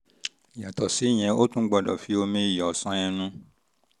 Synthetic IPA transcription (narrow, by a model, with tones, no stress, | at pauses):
i˨ja˨tɔ˨si˨˦˨j̃ɛ̃˧o˦tũ˦ɡ͡bɔ˦˨dɔ̰˨fi˨˦o˧mĩ˦i˦˨jɔ˨sɔ̃˦j̃ɛ̃˧nũ˦